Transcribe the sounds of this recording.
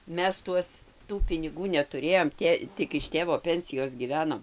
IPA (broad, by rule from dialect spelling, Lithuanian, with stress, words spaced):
ˈmʲɛs ˈtuɔs ˈtuː pʲɪnʲɪˈɡuː nʲɛtʊˈrʲeːjoːm ˈtʲeː ˈtʲɪk ɪʃ ˈtʲeːʋoː ˈpʲɛnʲsʲɪjoːs ɡʲiːˈʋʲæːnoːm